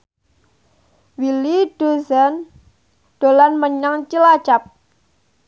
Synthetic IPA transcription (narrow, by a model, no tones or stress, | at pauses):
wilid̥o̤zan | ɖ̪̥o̤lanməɲaŋt͡ʃilat͡ʃap̚